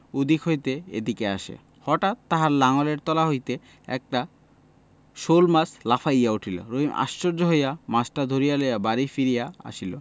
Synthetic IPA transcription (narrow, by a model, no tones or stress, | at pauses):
ud̪ikɦojt̪eḛd̪ikeaʃḛ | hɔʈat̪ːaɦaɾlaŋoleɾt̪ɔlaɦojt̪e | ɛ̰k̚ʈa | ʃolmaslafʰajauʈʰilo̰ɾoɦima̰ʃːoɾd͡ʑoɦojamasʈad̪ʱoɾijalojabaɾifiɾijaa̰ʃilo̰